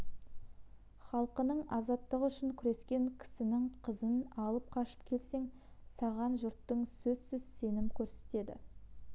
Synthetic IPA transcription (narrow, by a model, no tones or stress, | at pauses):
χɑlˠqənəɴɑzɑt̪ːəʁʏʃɪŋkʲʰʏɾe̞skʲe̞ŋkʲʰɪ̥sɪnɪŋqʰəzənɑlˠəp̚qʰɑʃə̥pkʲʰe̞lse̞ŋ | sɑʁɑnʒʊɾt̪ːəɴsɵzsɪzse̞nɪmkʲʰɵɾse̞t̪e̞d̪ɪ̰